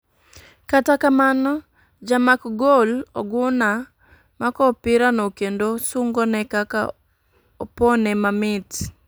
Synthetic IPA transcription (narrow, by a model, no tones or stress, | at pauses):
katakamanɔ | d͡ʒamakɡolɔɡʊna | makɔpɪɾanɔkendosʊŋɡɔnɛkaka̰ | ɔponɛmamɪt